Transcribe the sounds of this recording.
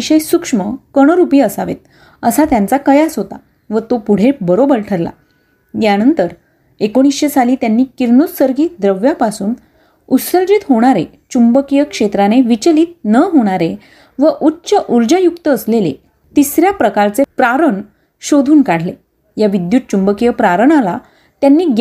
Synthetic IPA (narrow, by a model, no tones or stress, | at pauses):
iɕəjsukʂməkəɽ̃əɾupiːəsaʋḛt̪̚ | əsat̪jant͡sakəjasɦot̪a̰ | ʋət̪opuɽ̤ebəɾobəɾʈʰəɾla̰ | janənt̪əɾ | ekoɽ̃isɕesaliːt̪janːiːkiɾnossəɾɡiːd̪ɾəʋjapasuːn | usəɾd͡ʑit̪ɦoɽ̃aɾe | t͡ɕumbəkijəkʂet̪ɾaneʋit͡ɕliːt̪̚nəɦoɽ̃aɾe | ʋəʔutːɕəʔuɾd͡ʑəjukt̪əːslelḛ | t̪isɾjapɾəkaɾt͡sepɾaɾəɳ | ɕod̪ʱuːnkaɽ̤le | jaʋid̪juːt̪̚t͡ɕumbəkijəpɾaɾəɳala | t̪janːiːɡ